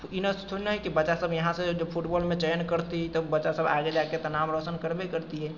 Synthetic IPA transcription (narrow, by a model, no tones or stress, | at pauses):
inəst̪ʰunəɦikibəːʃasəbʱjɐɦãsed͡ʒəbpʰuʈbɔːlmẽt͡ʃɛːnkəɾt̪it̪əbəːʃasəba̰ːɡed͡ʒaket̪ənaːmɾəsənkəɾbekəɾt̪iɦɛː